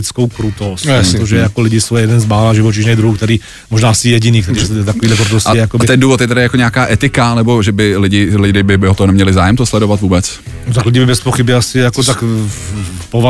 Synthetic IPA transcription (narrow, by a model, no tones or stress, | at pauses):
ɪt͡skowkɾut̪ost̪t̪oʒɛjakolɪɟɪsowjɛjɛdɛnzmaːlaʒɪvot͡ʃɪʒnɛd̪ɾuhuːk̚t̪ɛɾiː | moʒnaːasɪjɛɟɪniːkt̪ɛɾiːʒɛt̪akoviːdlɛkɾut̪osɪjɛjakobɪt̪ɛnduːvot̪jɛt̪adɪjakoɲakaːʔɛt̪ɪkanɛboʒɛbɪlɪɟɪlɪdɪbɪbɪɦot̪oɦonɛmɲɛlɪzaːjɛmt̪oslɛdovat̪vuːbɛt͡s | not̪aklɪɟɪbɪbɛspoxɪbjɛasɪjakot̪ak | pova